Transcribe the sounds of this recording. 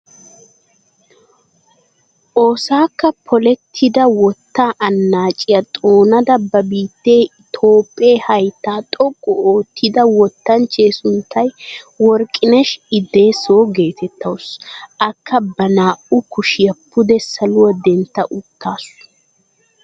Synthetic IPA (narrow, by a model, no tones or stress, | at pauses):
ʔo̞ːsaːkːɐpʰɔlɛt̪ʰːɪd̪ɐwɔt̪ːaʔɐnːaːt͡ʃʼɪjɐt̪ʼoːnɐd̪ɐbːɐbiːt̪ːe̞ːɪt̪ʰo̞ːpʼːe̞ːhɐjt̪ːaːt̪ʼɔkʼːɔoːt̪ʰːɪd̪ɐwɔt̪ːɐnt͡ʃːe̞ːsʊnt̪ːɐjwɔɾkʼːɪnɛʃɪd̪e̞ːsoːɡe̞ːt̪ʰɛt̪ːɐwʊsɐkʰːɐbɐnaːʔʊkʊʃɪjɐpːʊd̪ɛsɐlʊwɐd̪ɛnt̪ːɐʔʊt̪ːaːsʊ̥